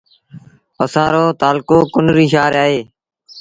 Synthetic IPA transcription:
əsãːɾoːt̪aːlkoːkʊnɾiːʃaːɾaːɦeː

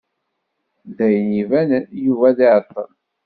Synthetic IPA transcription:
ðæjənivænjuvæðiʕt̪ˤːə̰n

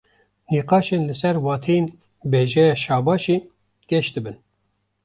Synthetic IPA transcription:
niːqɑːʃenlɨsɛɾwɑːt̪ʰejen | beːʒɛjɑːʃɑːbɑːʃiː | ɡ̥ɛʃt̪ɨbɨn

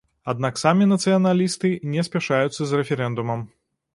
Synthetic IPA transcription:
ad̪naksamʲinɐt̪sɨjɐnalʲist̪ɨnʲɛsʲpʲɛʂajut̪sːɐzrɛfʲɛɾɛnd̪umɐm

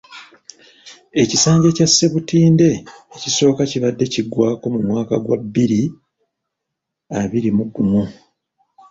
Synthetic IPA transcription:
e̞cisaːɲɟe̞casːe̞βutiːnde̞ːciso̞ːkaciβadːe̞ciɡwaːko̞mumwaːka̰ɡwa̰bːiɾi | aβiɾimuɡːumu

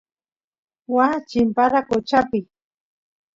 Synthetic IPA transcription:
wat͡ʃɪmpaɾakot͡ʃapɪ

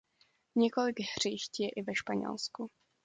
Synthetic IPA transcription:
ɲɛkolɪɡɦr̝̥iʃcjɛʔɪvɛʃpaɲɛ̰lsku

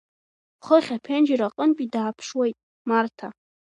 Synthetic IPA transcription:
χəχʲapʰend͡ʒɪɾaqʼənpʼidaːpʰʂwejtʼ | martʰa

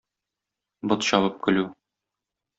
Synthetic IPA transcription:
bɤ̆t̪ɕɒbɤp̚kɵ̆lʉ

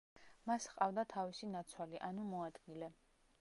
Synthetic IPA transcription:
masqʼavd̪at̪ʰavisinat̪sʰwaliʔanumɔad̪ɡilɛ

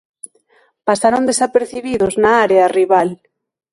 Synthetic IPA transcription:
pasaɾond̪esapeɾθiβiðʊznaaɾeariβal

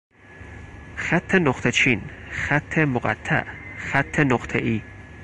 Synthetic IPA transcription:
xæt̪ʰːenoχt̪ʰet͡ʃʰinxæt̪ʰːemoɢæ̰t̪ʰːæ̰ʔxæt̪ʰːenoχt̪ʰeʔiː

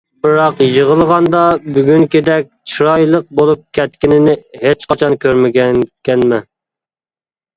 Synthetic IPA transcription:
bɨɾɑqjəʁəlˠʁɑnd̪ɑbyɡʲyŋkʲed̪ɛk̚ʲt͡ʃʰiɾɑjlˠəq̚bolˠup̚kʲʰɛt̪kʲinɪnɪhet͡ʃqɑt͡ʃʰɑnkʲʰøɾmɪɡʲɛkʲɛnmɛ

